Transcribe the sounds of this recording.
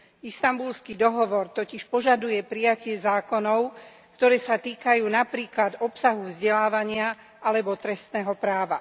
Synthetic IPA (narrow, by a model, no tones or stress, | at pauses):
ist̪ambulskid̪ɔɦɔʋɔɾt̪ɔciʃpɔʒad̪ujɛpɾijacɪɛzaːkɔnɔʊ | kt̪ɔɾɛːsat̪iːkajuːnapɾiːklad̪ɔpsaɦuvzɟɛlaːʋaɲɪa | ʔalɛbɔt̪ɾɛst̪nɛːɦɔpɾaːʋa